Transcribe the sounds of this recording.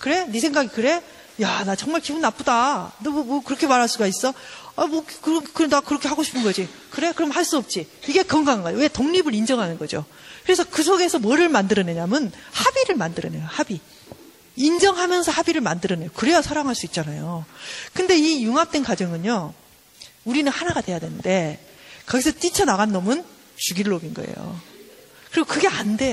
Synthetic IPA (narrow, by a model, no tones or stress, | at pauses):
kɯɾe̞nis̬ʰeŋɡaɡikɯɾe̞ | janat͡ɕʌŋmaɭkibunːap͈udanʌmʌmʌkɯɾʌkʰe̞maɾɦaɭs͈uɡais͈ʌamʌkɯɾʌkɯnakɯɾʌkʰehaɡoɕʰi̥pʰɯnɡʌd͡ʑi | kɯɾe̞kɯɾʌmhaɭs͈uʌp̚t͡ɕ͈iiɡe̞kʌŋɡaŋanɡʌowe̞toŋɲibɯɾind͡ʑʌŋɦanɯnɡʌd͡ʑo̰ | kɯɾe̞sʰʌkɯs̬ʰoɡe̞sʰʌmwʌɾɯɭmandɯɾʌneɲamjʌnhabiɾɯɭmandɯɾʌnejohabi | ind͡ʑʌŋɦamjʌnsʰʌhabiɾɯɭmandɯɾʌne̞jokɯɾe̞jʌsʰaɾaŋɦaɭs͈uit̚t͡ɕ͈anajokɯnde̞ijuŋap̚t͈wenkwad͡ʑʌŋɯɲo | uɾinɯnhanaɡadwe̞jadwe̞nɯnde̞ | kʌɡisʰʌt͈it͡ɕʰʌnaɣanːʌmɯn | t͡ɕuɡiɾɯɭʌbinɡʌḛjo̰ | kɯɾeɡokɯɡe̞ande̞